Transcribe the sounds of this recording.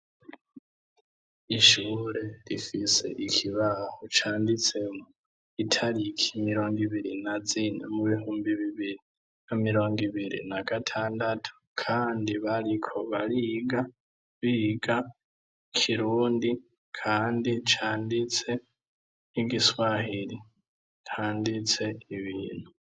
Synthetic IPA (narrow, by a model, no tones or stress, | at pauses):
iʃuːɾeɾifisḛʔikʰiβahot͡ʃʰaːndit͡semu | itʰaɾikʰimiɾo̞ːŋɡiβiɾinad͡zinḛmuβihuːmbiβiβiɾi | namiɾo̞ːŋɡiβiɾḭnaɡ̥atʰaːndatʰu̥kʰaːndiβalikʰo̞βaliɡa | βiɡa | kʰiɾuːndi | kʰaːndit͡ʃaːndit͡se̞ | iɡiswahiɾi | kʰaːndit͡se̞iβiːnhu